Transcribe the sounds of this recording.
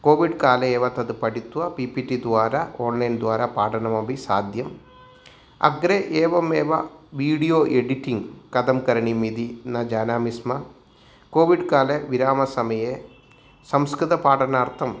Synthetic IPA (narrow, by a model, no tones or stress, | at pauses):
koːʋiɖkaːleeːʋɐt̪ɐd̪ɨpɐʈit̪ːuʋɐpipiʈid̪ʋaːɾɐoːnlɐjnd̪ʋaːɾɐpaːʈʰɐɳɐmɐbʱisaːd̪ʱjɐm | ɐ̰ɡɾeʔeːʋɐmeːʋɐʋiːɽijoːʔeɽiʈiŋɡkɐd̪ɐmkɐɾɐɳimid̪inɐd͡ʒaːnaːmismɐ | koːʋiɖkaːleʋiɾaːmɐsɐmɐje | sɐmskɾɨt̪ɐpaːʈɐnaːɾt̪ʰɐm